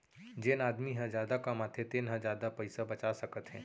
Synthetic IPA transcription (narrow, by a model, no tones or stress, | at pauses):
d͡ʒenaːd̪miɦə̃zjaːd̪akamaːt̪ʰet̪eːnɦə̃zjaːd̪apɐɪsabɐt͡ʃasɐkət̪ɦɛ̃ː